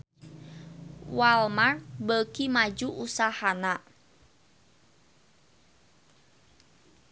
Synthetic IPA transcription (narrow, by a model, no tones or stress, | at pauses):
walmarbəkimad͡ʒuʔusahana